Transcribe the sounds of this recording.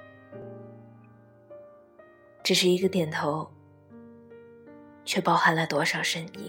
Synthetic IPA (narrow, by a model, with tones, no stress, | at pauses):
ʈ͡ʂɻ̩˨˩ʂɻ̩˥˩i˧˥ɡə˧t̪jɛ˨˩nt̪ʰo˧˥ʊ | t͡ɕʰɥɛ˥˩pɑ˥˩ʊxa˥nlə˧˩t̪wɔ˥ʂɑ˨˩ʊʂə˥nḭ˥˩˦